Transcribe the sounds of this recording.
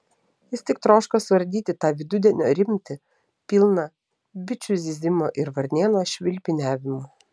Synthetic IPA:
jɪst̪ʲɪkt̪ɾoːʃkosʋɐɾʲd̪ʲiːt̪ʲɪt̪ɑːʋʲɪd̪ʊd̪ʲɛnʲoːɾʲɪmʲt̪ʲɪ | pʲiːlˠnɐ | bʲɪt͡ʃʲʊzʲizʲɪmoːʔɪɾʋɐɾʲnʲeːnoːʃʲʋʲɪlʲpʲɪnʲæːʋʲɪmo

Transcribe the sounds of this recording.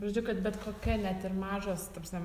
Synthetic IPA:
prɐd͡ʒʲɛʊkɐt̪̚bʲɛt̪koːkʲɛnʲɛt̪ɪrmɑːʒost̪opʲsʲnʲɛ

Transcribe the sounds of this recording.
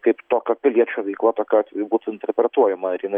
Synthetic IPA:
kɐɪpt̪oːkʲɐpʲɪlʲiɛt͡ʃʲuʋʲɛɪklˠɐt̪oːkʲɐɑt̪ʲʋʲjbuːt̪ʊɪnʲt̪ʲɛɾʲpʲɾʲɛt̪uɔjɛmɐɪɾjɪnɐɪ

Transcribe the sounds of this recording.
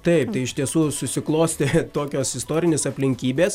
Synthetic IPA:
t̪ɐɪp̚t̪ɐɪɪʃt̪ʲiɛsuːsʊsʲɪklˠoːsʲt̪ʲet̪oːkʲoːsɪst̪oːɾʲɪnʲeːsɐpʲlʲɪŋʲkʲiːbʲeːs

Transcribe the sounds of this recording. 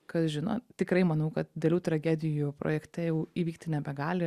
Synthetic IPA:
kɐt̪ʒʲɪno̰t̪ʲɪkɾɐɪmɐnɐʊkɐt̪̚d̪ʲelʲuːt̪ɾɐɡʲæːd̪ʲɪjupɾo̰ːjɛkt̪ʲɛjɛʊiːʋʲiːk̚t̪ʲɪnʲɛbʲɛɡɑːlʲɪ

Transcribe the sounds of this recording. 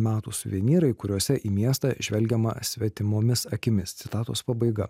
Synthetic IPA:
mʲæːt̪uːsʊʋʲiɛnʲiːɾɐɪkʊɾʲuɔsʲɛʔiːmʲiɛst̪ɑːʒʲʋʲɛlʲɡʲɛmɐ̰sʲʋʲɛt̪ʲɪmoːmʲɪsɐkʲɪmʲɪst̪sʲɪt̪ɑːt̪o̰ːspɐbɐɪɡɐ

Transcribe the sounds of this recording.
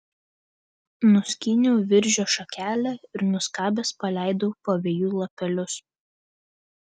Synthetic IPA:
nʊsʲkʲɪnʲuːʋʲɪɾʲʒʲoːʃɐkʲæːlʲɛɪɾnʊskɑːbʲɛspɐlʲæˑɪd̪oːpoːʋʲeːjuːlˠɐpʲɛlʲʊs

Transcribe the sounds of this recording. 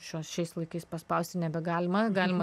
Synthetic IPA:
ʃʲuɔsʃʲɛɪslˠɐɪkɐɪspɐspɐˑʊsʲt̪ʲɪnʲɛbʲɛɡɑːlʲɪmɐɡɑːlʲɪmɐ

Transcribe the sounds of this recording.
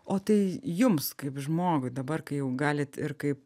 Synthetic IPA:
oːt̪ɐɪjʊmskɐɪpʒmoːɡʊɪd̪ɐbɐrkɐɪjɛʊɡɑːlʲɪt̪ɪrkɐɪp

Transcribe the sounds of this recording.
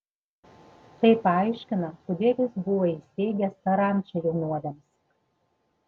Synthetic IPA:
t̪ɐɪpɐɑˑɪʃʲkʲɪnɐpʊd̪ʲiɛlʲɪsbʊʋoisʲt̪ʲɛɪɡʲɛst̪ɐɾɑˑnʲˑt͡ʃʲɛjɛʊnuɔd̪ʲɛms

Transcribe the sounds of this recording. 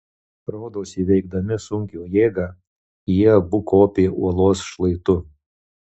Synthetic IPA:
ɾoːd̪oːsʲiʋʲɛɪɡ̚d̪ɐmʲɪsʊŋʲkʲuːjeːɡɑ | jiɛbʊkoːpʲeːʔuɔlˠoːsʃlˠɐɪt̪ʊ

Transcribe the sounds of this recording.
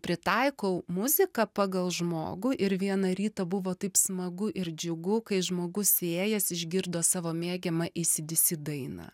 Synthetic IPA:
pʲɾʲɪt̪ɐɪkoʊmʊzʲɪkɐpɑːɡɐlˠʒmo̰ːɡʊʔɪɾʋʲiɛnɐɾʲiːt̪ɐbʊʋoːt̪ɐɪpsmɐɡʊʔɪɾd͡ʒʲʊɡʊkɐɪʒmoːɡʊseːjɛsɪʒʲɡʲɪɾd̪oːsɑːʋoːmʲeːɡʲɛmɐʔɪsʲɪd̪ʲɪsʲɪd̪ɐɪnɐ̰ː

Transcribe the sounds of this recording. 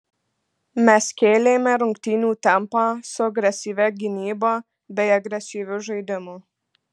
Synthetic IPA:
mʲɛskʲeːlʲeːmʲɛɾʊŋʲkt̪ʲiːnʲuːt̪ʲɛmpɑːsʊɐɡɾʲɛsʲiːʋʲɛɡʲɪnʲiːbɑː | bʲɛɪɐɡɾʲɛsʲiːʋʲʊʒɐɪd̪ʲɪmo

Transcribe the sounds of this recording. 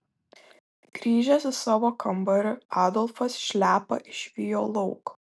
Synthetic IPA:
ɡ̥ɾʲiːʒʲɛsʲɪsɑːʋoːkɐmbɐɾʲʊɑːd̪ɔlˠfɐsʃʲlʲæːpɐ̰ʔɪʃʲʋʲɪjo̰ːlˠɔʊk

